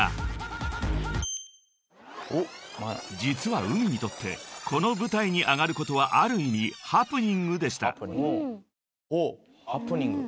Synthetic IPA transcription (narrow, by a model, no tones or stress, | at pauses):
a̰ | d͡ʑit͡sɨβaɯ̟mʲiɲ̟it̪o̞t̪ːe̞̰kʰo̞no̞bɯ̟t̪aiɲ̟iʔaɡaɾɯ̟ko̞t̪o̞β̞aʔaɾɯ̟imʲihapːɯ̟ɲĩŋɡɯd̪e̞ɕ̬i̥t̪a̰ | o | hpɲŋ